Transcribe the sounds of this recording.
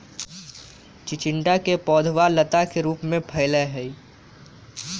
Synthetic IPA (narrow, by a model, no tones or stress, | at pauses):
t͡ʃɪt͡ʃɪ̃ɳɖakepɔːd̪ʱʋalət̪akeɾuːpmẽpʰɐɪləɦɛi